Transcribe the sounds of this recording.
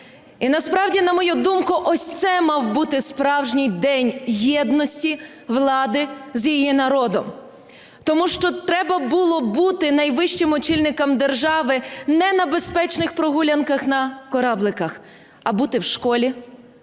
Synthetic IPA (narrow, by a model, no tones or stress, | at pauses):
inɐspɾɑwdʲinɐmɔjud̪umkʊʔɔsʲt̪sɛmɑwbut̪ɪspɾɑwʒnʲijd̪ɛnʲjɛd̪nɔsʲtʲi | ʋlˠɑd̪ɪzjijinɐɾɔd̪ɔm | t̪ɔmuʃt͡ʃɔt̪ɾɛbɐbʊlˠɔbut̪ɪnɐjʋɪʃt͡ʃɪmɔt͡ʃilʲnɪkɐmd̪erʒɑʋɪnɛnɐbespɛt͡ʃnɪxpɾɔɦulʲɐnkɐxnɐkɔɾɑblˠɪkɐx | ɐbut̪ɪwʃkɔlʲi